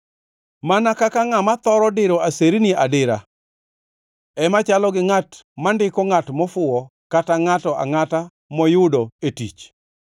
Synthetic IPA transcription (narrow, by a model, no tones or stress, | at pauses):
manakakaŋamat̪ɔɾɔdɪɾoaseɾiniadɪɾa | ɛmat͡ʃalɔɡɪŋatmandɪkɔŋatmɔfʊɔkataŋatɔʔa̰ŋata | mɔjʊdoetḭt͡ʃ